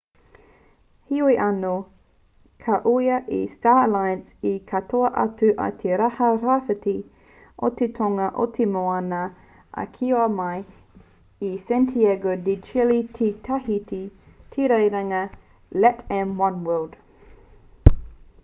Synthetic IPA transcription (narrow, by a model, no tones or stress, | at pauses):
hiuiʔɐno | kʰɐʔujɐʔḭstaːlaj̃nsikʰɐtʰoɐʔɐ̰tʉʔɐ̰tʰeɾahɐɾafəti | ʔo̰t̪ʰetʰoŋɐʔo̰tʰemoanɐ | ʔɐ̰kʰioɐmaj | isɛ̃ntʰiɛɡodit͡ʃilitʰitʰahiti | tʰiɾejɾɐŋɐ | lɛtɛ̃mwɐ̃nwɜːld̥